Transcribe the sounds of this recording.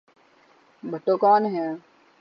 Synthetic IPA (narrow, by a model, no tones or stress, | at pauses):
bʱɐʈːoːkɔːnɦɛ̃ː